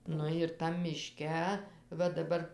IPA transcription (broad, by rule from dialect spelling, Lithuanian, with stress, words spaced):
ˈnʊ ɪr tɐm mʲɪˈʃʲkʲɛ ˈʋɐ dɐˈbɐr